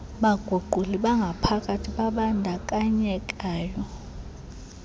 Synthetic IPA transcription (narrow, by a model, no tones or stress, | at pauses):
ɓaɡ̥ʱuɡʱuliɓaŋɡʱapʰakʼatʰiɓaɓandʱakʼaɲɛkʼaːjɔ